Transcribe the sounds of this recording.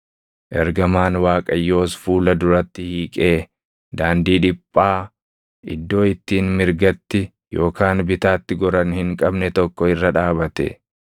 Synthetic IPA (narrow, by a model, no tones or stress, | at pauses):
ʔɛɾɡɐmaːnwaːkʼɐjːo̞ːsfuːlɐd̪ʊɾɐt̪ːɪhiːkʼe̞ː | d̪aːnd̪iːᶑɪpʼːaː | ʔɪ̰d̪ːo̞ːɪt̪ːiːnmɪɾɡɐt̪ːɪ | jo̞ːkaːnbɪt̪aːt̪ːɪɡɔɾɐnhɪŋkʼɐbnɛt̪ɔkːɔɪrːɐᶑaːbɐt̪ɛ̰